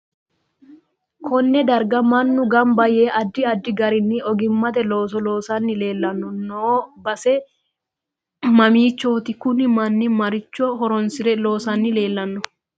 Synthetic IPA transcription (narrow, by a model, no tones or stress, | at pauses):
kɔnːɛd̪ɐɾɡɐmɐnːʊɡɐmbɐjeːʔɐd̪ːɪɐd̪ːɪɡɐɾɪnːɪʔɔɡɪmːɐt̪ɛloːsɔlo̞ːsɐnːɪle̞ːlːɐnːʊnoːbɐsɛ | mɐmiːt͡ʃːoːt̪ɪkʊnɪmɐnːɪmɐɾɪt͡ʃːɔɦɔɾɔnsɪɾɛlo̞ːsɐnːɪle̞ːlːɐnːʊ